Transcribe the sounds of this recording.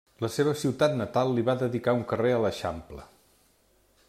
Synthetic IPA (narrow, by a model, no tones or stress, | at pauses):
ləseβ̞əsiwt̪at̪nət̪alˠːiβaðəðikauŋkəreələʃamplə̰